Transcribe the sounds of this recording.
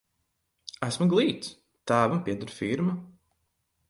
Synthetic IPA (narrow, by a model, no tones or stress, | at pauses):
æsmuɡlˠiːt̪s | t̪aːvampʲiɛd̪uɾfiɾma